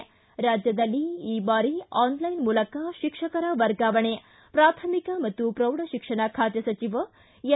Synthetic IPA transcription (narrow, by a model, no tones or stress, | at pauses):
ɾaːd͡ʒjɐd̪ɐlːiiːbaːɾiaːnlɐjnmuːlɐkaʃikʂɐkɐɾɐʋɐɾɡaːʋɐɳe | pɾaːt̪ʰɐmikɐmɐt̪ːupɾɐwɽɐʃikʂɐɳakʰaːt̪jɐsɐt͡ʃiʋɐ | jɐ